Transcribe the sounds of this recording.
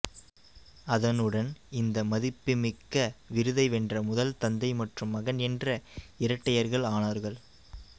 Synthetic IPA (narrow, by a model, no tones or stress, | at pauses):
ɐðɐnɯɽɐnɪnd̪ɐmɐðɪpːɪmɪkːɐʋɪɾɯðɐɪʋɛndrɐmʊðɐlt̪ɐnd̪ɐɪmɐʈrɯmːɐɣɐnɛndrɐɪɾɐʈːɐjɐɾɣɐɭaːnaːɾɣɐɭ